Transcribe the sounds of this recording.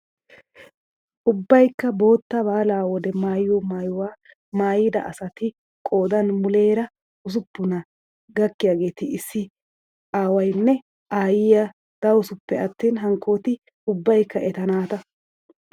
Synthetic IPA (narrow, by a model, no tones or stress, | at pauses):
ʔʊbːɐjkːɐbo̞ːt̪ːɐbaːlaːwɔd̪ɛmaːjjɔmaːjʊwaː | maːjɪd̪ɐ̰ʔɐ̰sɐt̪ɪ | kʼo̞ːd̪ɐnmʊle̞ːɾɐ | ʊs̬ʊpːʊnɐ | ɡɐkːɪjaːɡe̞ːt̪ɪɪsːɪ | ʔaːwɐjnːɛ | ʔaːjɪjɐ | d̪̥ɐwʊsʊpːɛɐt̪ːiːnɦɐŋkʰːo̞ːt̪ɪ | ʊbːɐjkːɐʔɛt̪ɐnaːt̪ɐ